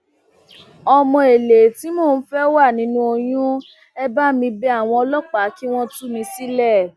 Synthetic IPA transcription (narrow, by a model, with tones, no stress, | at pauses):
ɔ˧mɔ̃˧e˨le˨ti˨˦moː˦˨n̩˨˦fɛ˦wa˦˨nĩ˦nũ˦o˧j̃ũ˦ | ɛ˦ba˦mĩ˧bɛ˦a˦˨w̃ɔ̃˧ɔ˧lɔ˦k͡pa˨˦ki˦w̃ɔ̃˦tu˦mĩ˧˦si˦lɛ˦˨